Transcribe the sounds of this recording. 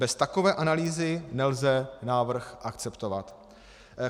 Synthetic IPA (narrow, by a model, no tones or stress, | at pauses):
bɛst̪akovɛːʔanaliːzɪnɛlzɛnaːvr̩xʔakt͡sɛpt̪o̞vat̪